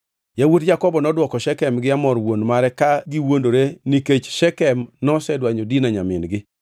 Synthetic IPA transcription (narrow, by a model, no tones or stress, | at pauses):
jawutd͡ʒakɔbɔnɔdwɔkɔʃɛkɛmɡɪamɔrwonmaɾɛkaɡiwondoɾeniket͡ʃʃɛkɛmnɔsɛdwaɲodinaɲamɪnɡɪ